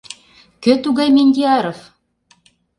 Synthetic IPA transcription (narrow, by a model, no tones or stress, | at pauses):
kø̆t̪uɣɑjmʲenʲd̪ʲiɑɾof